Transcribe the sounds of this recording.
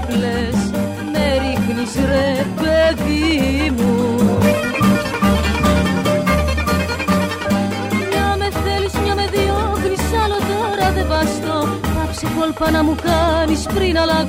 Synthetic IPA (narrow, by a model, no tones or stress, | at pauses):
ples | meɾixnisɾepeðimu | ɲɐme̞θe̞lizmɲɐme̞ðioknisɐlot̪oɾɐðevɐst̪okɐpsekolpɐnɐmukɐnispɾinɐlɐ